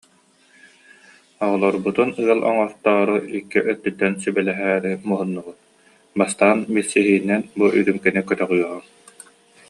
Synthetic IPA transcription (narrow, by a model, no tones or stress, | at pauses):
ɔʁɔlˠɔɾbut̪unɯɐlˠʔɔ̰ŋɔɾt̪ɔːɾuikːiʔœt̪̚ːyt̪ːɛnsybɛlɛɦæːɾimuɦunːubut̪̚ | bast̪aːnbilʲsiɦiːnːɛnbuʔyɾymkɛnikœt̪œʁyjɔʁɔŋ